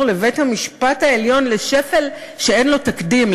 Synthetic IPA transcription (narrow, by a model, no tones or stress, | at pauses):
le̞ve̞jthamiʃpathaeljo̞nleʃefe̞l | ʃeenlo̞takdim